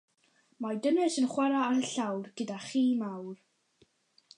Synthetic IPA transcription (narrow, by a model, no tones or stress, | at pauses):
madənɛsənχwaɾaaɾəɬawrɡ̥ədaχiːmawr